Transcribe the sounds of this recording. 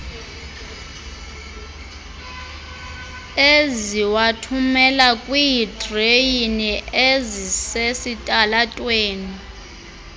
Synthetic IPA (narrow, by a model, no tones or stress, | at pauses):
eziwatʰumɛlakʼwijidʼrejiniʔezisesitʼalatʼweːni